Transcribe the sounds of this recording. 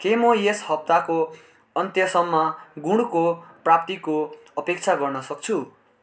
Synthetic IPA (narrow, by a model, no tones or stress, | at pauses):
kemʌjeshʌp̚t̪ako | ʌnt̪jʌsʌmːaɡuɽukoprapt̪iko | ʌpek̚t͡sʰaɡʌrnʌsʌk̚t͡sʰu